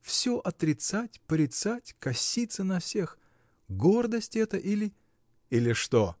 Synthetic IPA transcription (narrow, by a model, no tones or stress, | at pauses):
fsʲoʔɐt̪ɾʲɪt̪satʲpɾʲɪt̪satʲkɐsʲit̪sənɐfsʲe̞x | ɡo̞rd̪əsʲtʲɛt̪əʔilʲɪ | ilʲɪʂt̪o